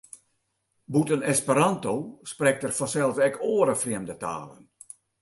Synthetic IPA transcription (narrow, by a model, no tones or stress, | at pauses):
butənɛspəɾantoːsprɛk̚tərfɔsɛlˠsɛkʰoːəɾəfriəmdəta̰ːlə̰n